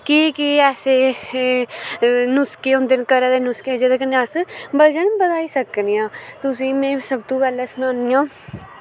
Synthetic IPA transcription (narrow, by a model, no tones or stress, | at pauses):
kiːkiɛːseː | nʊskeːʊ̃nd̪ɪnkəɾɛːd̪eːnʊsked͡ʒed̪eːkənːasbəd͡ʒəɳbəd̪aːiːsəknejãːt̪ʊs̬ĩːmɛ̃ːsəb̚t̪õːpɛːlɛːsənaːniːãː